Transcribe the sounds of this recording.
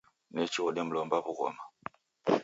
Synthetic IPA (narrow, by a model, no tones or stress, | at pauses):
nɛt͡ʃiɣɔɗɛm̩lɔmbaβuɣɔ̰ma